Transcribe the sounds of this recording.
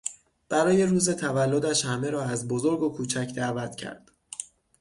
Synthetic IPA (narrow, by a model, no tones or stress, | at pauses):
b̥æɾɒːje̞ɾuːze̞t̪ʰævælːod̪æʃhæmeɾɒːæzbozo̞ɾɡokʰuːt͡ʃʰæcʰd̪ævæt̪ʰcʰæ̰ɾd̪̥